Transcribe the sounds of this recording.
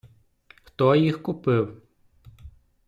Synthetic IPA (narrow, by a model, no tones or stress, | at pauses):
xt̪ɔjixkʊpɪw